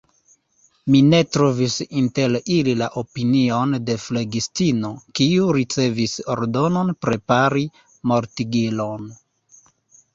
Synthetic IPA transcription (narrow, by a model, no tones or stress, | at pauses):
mine̞tɾo̞visinte̞lililaʔopinio̞nde̞fleɡistino̞kiuɾit͡se̞viso̞̰ɾdo̞no̞npɾe̞paɾi | mo̞ɾtiɡilo̞n